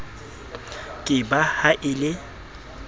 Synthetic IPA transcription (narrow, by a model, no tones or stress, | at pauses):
kʼɪbahaʔɪlɪ